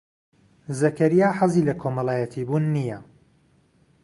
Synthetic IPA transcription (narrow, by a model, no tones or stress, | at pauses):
zɐkɐɾijaːħɐziːlɐkʰomɐlˠaːjɐt̪ʰiːbuːnːijɐ